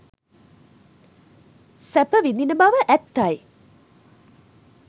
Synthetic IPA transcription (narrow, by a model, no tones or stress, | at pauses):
sæpəʋind̪inəbaʋəʔæt̪ːaj